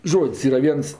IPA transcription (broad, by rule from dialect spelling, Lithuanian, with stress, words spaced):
ˈʒoːtʲsʲ ˈiːrɐ ˈʋʲiɛns